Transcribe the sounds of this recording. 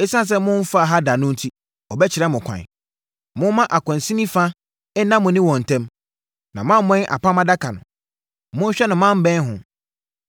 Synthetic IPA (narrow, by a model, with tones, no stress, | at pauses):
e˦sã˦ns̬ɛ˦mʊ̃˦n̩˦fa˦˨ɦa˦da˨nʊ̃˦n̩˦tʰi˦ | ɔ˨bɛ˦t͡ɕʰɪ˨ɾɛ˦mʊ̃˨kʷʰã̰˨ | mʊ̃˦mã˦ʔa˨kʷʰɔ̃˨n˨sĩ˦nĩ˦fã˦ | ɛ˦nã˦mʊ̃˨nɪ̃˦wɔ̃˨n̩˨tʰɛ̃˦m | nã˨mã˦m˦mɛ̃˦n˦ʔa̰˨pʰã˦mã˦da˦kʰa˨nʊ̰̃˨ | mʊ̃˦n̩˦ɕᶣɛ˦nã˨mã˦m̩˦bɛ̃˦n˦ɦʊ̃˨